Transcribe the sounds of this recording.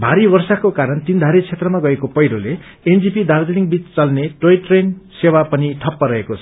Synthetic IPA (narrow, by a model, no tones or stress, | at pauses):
bʱaɾibʌrsakokaɾʌnt̪ind̪ʱaɾet͡sʰet̪rʌmaɡʌekopʌjɾole | end͡zipid̪ard̪iniŋɡbit͡st͡sʌlneʈojʈrensewapʌniʈʰʌpːʌɾʌekot͡sʰʌ